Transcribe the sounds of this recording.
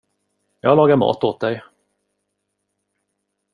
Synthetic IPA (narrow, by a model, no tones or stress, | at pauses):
jɑːalɑːɡaɾmɑ̰ːt̪oːt̪̚d̪ɛj